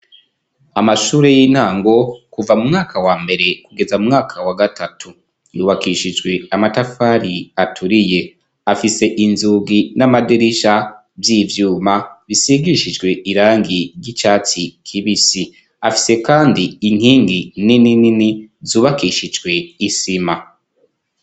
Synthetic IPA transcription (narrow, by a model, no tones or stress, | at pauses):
amaʃuːɾejiːn̥haːŋɡo̞kuvamumŋaːkawaːmbe̞ɾe̞kuɡe̞zamumŋaːkʰawaɡatatʰu | juːβakiʃid͡ʒɡwe̞amatafaːɾiatʰuɾije̞ | afise̞ʔinzuɡinamadeɾiʃa | vjiːvjuːmaβisiɡiʃid͡ʒɡwe̞ʔiɾaːŋiɾɟit͡ʃaːt͡sikʰiβisi | afi̥se̞kaːndiiŋ̥hiːŋɡininininizuːβakiʃid͡ʒɡwe̞isima